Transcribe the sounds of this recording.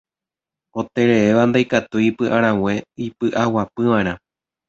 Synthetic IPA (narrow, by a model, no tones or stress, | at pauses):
o̞t̪e̞ɾe̞eʋand̪ajkat̪uipɨʔãɾ̃ãwẽ̞ipɨʔawapɨʋãeɾ̃ã